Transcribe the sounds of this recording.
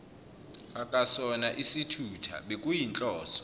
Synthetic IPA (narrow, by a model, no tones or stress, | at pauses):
akʼasɔnaʔisitʰutʰa̰ɓekʼujint͡ɬʼɔːsɔ̥